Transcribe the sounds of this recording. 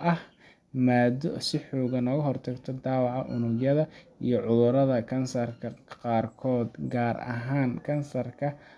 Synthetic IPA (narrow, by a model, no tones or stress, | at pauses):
ʔɐh | maːd̪ɔsɪħɔːɣɐnɔːɣɐɦɔrt̪ʰɐɡt̪ʰɔd̪ɑːwɑʕɑʔʊnʊɡjɐðɐijɔʕʊðʊɾɐðɐkʰɐnsɐrkʰɐqɑːrkʰɔːd̪ɡaːɾɐ̰ɦaːnkʰɐnsɐrkʰɐ